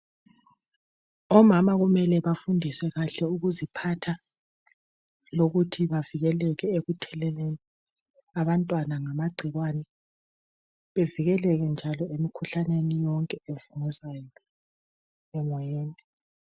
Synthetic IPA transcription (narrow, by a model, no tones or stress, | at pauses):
ɔmamaɣumɛlɛβafundʱiswɛɣaɬɛuɣuzipʰatʰa | loɣutʰiβaviɣɛlɛɣɛeɣutʰɛlɛleni | aβantʼwanaŋamaɡ͡ǀʱiɣwanɛ | βeviɣɛlɛɣɛnd͡ʒʱalɔemikʰuɬanenijɔŋkʼɛevuŋɛzajɔɔ | ɛmɔjɛːnɛ